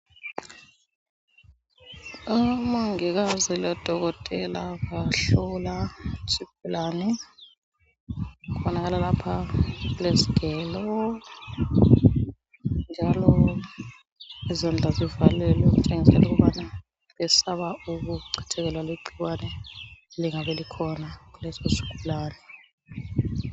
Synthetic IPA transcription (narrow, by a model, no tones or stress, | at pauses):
amaŋɛɣ̬azilɛd̥ʱɔɣɔtʼɛlakaɬɔlasib̥ʱulaːnɛ | ɣ̬uɓɔnaɣalalapʰaɣulesi̥ɡ̥ʱɛːlɔ | nd͡ʒʱalɔ | izand͡ɮʱazivalɛlɛk̬ut͡ʃʼeŋisɛ̰lukuβana | βɛsaβauk̬uǀʰɛ̥tʰɛk̬ɛlwalweǃiɣwanɛeliŋaβɛlikʰɔnakulɛzɔsi̥ɡ̥ʱulaːnɛ